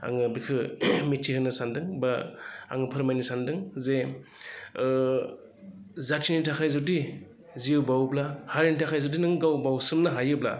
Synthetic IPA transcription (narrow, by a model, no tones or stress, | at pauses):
a̰ŋɯbikʰɯmitʰihɯnɯsandɯŋbaa̰ŋɯpʰɯɾmajnɯsandɯŋze | zatʰinitʰakʰajzɔdi | ziwbawblahaɾinitʰakʰajzɔdinɯŋɡawbawsɯmnaɦajɯbla̰